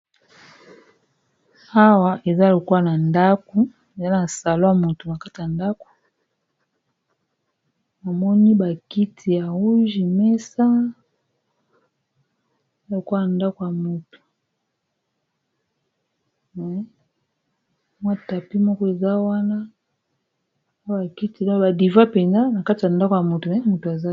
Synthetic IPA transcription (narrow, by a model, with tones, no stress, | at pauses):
a˦wa˨ʔe˨za˦˨lo˨ku˦a˦na˨nda˦ko˨ | e˨za˦na˨sa˨lɔ˦a˨mo˨to˨na˨ka˦ti˨ja˨nda˦ko̥˨ | a˨mɔ˦ni˦ba˨ki˦tʰi˨ja˨u˦ʒi˨mɛ˦sa˦ | a˦lo˨ka˦ja˨nda˦ko˨ja˨mo˨tu̥˨ | mɛ˨ | mwa˦ta˨pi˦mɔ˦kɔ˦e˨za˦wa˦na˦ | a˦ba˨ki˦ti˨la˦ba˨di˨va˦pɛ˨nza˦na˨ka˦ti˨ja˨nda˦ko˨ja˨mo˨tu˨mɛ˨˦mu˨to˨a˨za˦